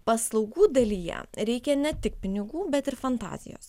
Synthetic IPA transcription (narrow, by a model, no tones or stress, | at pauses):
pɐslˠɒʊɡuːd̪ɐlʲiːjɛ̰ɾʲɛɪkʲɛnʲɛt̪ʲɪk̚pʲɪnʲɪɡuːbʲɛt̪ɪɾfɐnt̪ɑ̰ːzʲɪ̰jo̰ːs